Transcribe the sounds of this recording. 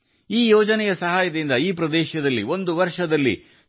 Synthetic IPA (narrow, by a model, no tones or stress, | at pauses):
iːjoːd͡ʒɐnɛjɐsɐɦaːjɐd̪ind̪ɐiːpɾɐd̪ɛːʃɐd̪ɐlːio̞nd̪uʋɐɾʂɐd̪ɐlːḭ